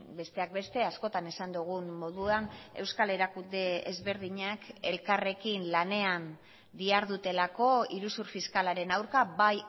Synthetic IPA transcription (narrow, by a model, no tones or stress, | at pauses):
be̞st̪e̞ak̚be̞st̪e̞asko̞t̪ane̞sand̪uɣ̞unːo̞ð̞uane̞wskale̞ɾakund̪e̞ḛzβe̞ɾðiɲake̞lkare̞kinlane̞an | d̪iaɾðut̪e̞lako̞iɾusuɾfiskalaɾe̞nawɾkabaj